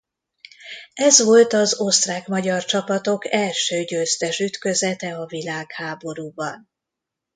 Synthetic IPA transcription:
ɛzʋo̞lt̪ɒzo̞st̪raːkmɒɟɒrt͡ʃɒpɒt̪o̞kɛlʃøːɟøzt̪ɛʃyt̪kø̞zɛt̪ɛɒvilaːkhaːbo̞ɾuːbɒn

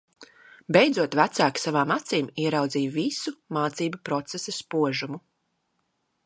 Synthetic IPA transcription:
bɛjd̪zuɔt̪væt̪saːksavaːmat̪siːmiɛɾawd̪ziːvisumaːt̪siːbupɾɔt̪sesɐspuɔʒumu

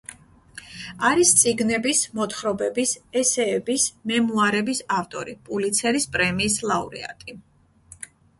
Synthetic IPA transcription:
aɾist̪sʼiɡnɛbismɔt̪χɾɔbɛbisɛsɛːbismɛmuaɾɛbisaft̪ʼɔ̰ɾipʼulit̪sʰɛɾispʼɾɛmiːslˠauɾɛ̰a̰t̪ʼi

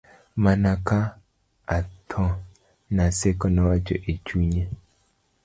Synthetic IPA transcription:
manaka | at̪ʰɔ | nasekɔnɔwat͡ʃɔ̰ʔet͡ʃuɲe

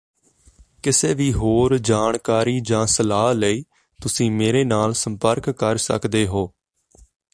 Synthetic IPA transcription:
kɪseːʋiːɦoːɾd͡ʒaːɳkaːɾiːd͡ʒãːsəlaːləiː | t̪ʊsĩːmeːɾeːnaːlsəmpəɾkkːəɾsə̰kd̪eːɦoː

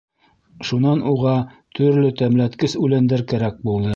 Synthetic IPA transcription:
ʃunɑnʔuʁɑt̪ʰɵ̆ɾlɵt̪æmlæt̪kɘsʉlænd̪ɘɾkæɾæk̚bulˠd̪ɤ

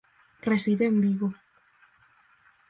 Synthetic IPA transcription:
resiðembiɣo

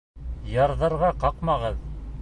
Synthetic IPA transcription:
jɑɾðɤ̆ɾʁɑqɑqmɑʁɤð

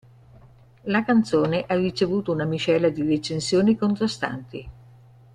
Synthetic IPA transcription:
lakant̪soːneʔarːit͡ʃevuːt̪ounamit͡ʃɛlad̪iɾet͡ʃensjoːnikont̪ɾast̪a̰nt̪i

